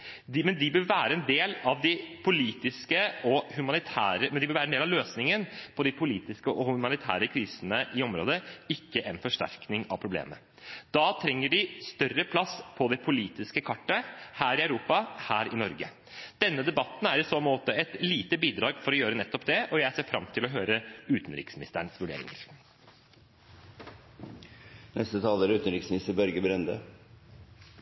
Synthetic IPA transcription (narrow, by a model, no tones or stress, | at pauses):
d̪mɛnd̪ɪbøɾʋæːɾəɛnd̪eːlɑʋd̪ɪpʰʊliːt̪ɪskəɔhʉmɑnɪt̪ʰæ̰ːɾəmɛnd̪ɪbɪːʋæːɾəɛnd̪eːlɑʋløːsnɪŋənpʰɔd̪ɪpʰʊliːt̪ɪskəɔhʉmɑnɪt̪ʰæ̰ːɾəkʰɾiːsənəʔɪɔmɾo̰ːd̪əɪkːəʔɛnfɔʂʈæ̰ɾknɪŋɑ̰ʋpʰɾʊblḛːmə̰ | d̪̥ɑːt̪ʰɾɛŋːəɖɪst̪œrəpʰlɑspʰɔd̪ɛpʰʊliːt̪ɪskəkʰɑʈːəhæːɾɪɑʉɾuːpɑhæːɾɪnɔɾɡə | d̪̥ɛnːəd̪ɛbɑt̪n̩æɾɪsoːmoːt̪əɛt̪liːt̪əbiːd̪ɾɑːɡfɔɾɔjøːɾənɛt̪ːɔpd̪ɛɔjæɪseːfɾɑmt̪ʰɪlɔɦøːɾəʉːt̪n̩ɾɪ̰ksmɪnɪ̰st̪əɳsʋʉɖḛːɾɪ̰ŋə̰ɾ | nʔɛst̪ət̪ʰɑːləæɾʉːt̪nɾɪksmɪnɪst̪əɾbœɾɡəbɾɛnd̪ə